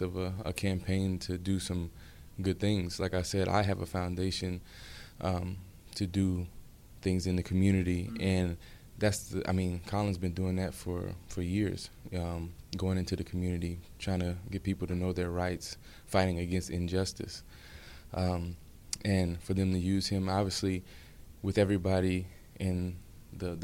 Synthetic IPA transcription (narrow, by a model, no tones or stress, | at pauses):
ʌvəəkʰæ̃mpʰẽɪ̃ntʰɨdɨsʌ̃m | ɡʊd̪̚θɪ̃ŋz̥laɪkaɪsɛɾa̰ɪɨvəfãʊ̃ndeɪʃɨ̃n | ʔʌ̃m | tʰɨdɨ | θɪ̃ŋzɨ̃nðɨkʰmjʉnɨɾiʔɨ̃n | ðætsɨa̰ɪmĩnkʰɑlˠə̃nzbɨ̃ndʉɪ̃ŋðɨtfə̰˞fə˞jɪɹz̥ʌ̃mɡ̥oʊɪ̃ŋɪ̃ntʉðɨkʰmjʉnɨɾitʰɹ̥ãɪɪ̃ŋtʰɨɡ̥ɛt̚pipl̩ˠtʰɨnoʊðə˞ɹaɪts | faɪɾɪ̃ŋɨɡɛ̃nstɨ̃nd͡ʒʌstɨ̰s | ʔʌ̃ | ʔɨ̃nfə˞ðɨ̃mtʰɨjʉz̥ɪ̃mɑbviɨsli | wɨðɛvɹibɑɾi | ʔɪ̃nðɨ